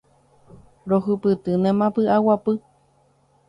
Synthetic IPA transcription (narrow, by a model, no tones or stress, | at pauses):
ɾoɦɨpɨt̪ɨnẽmãpɨʔawapɨ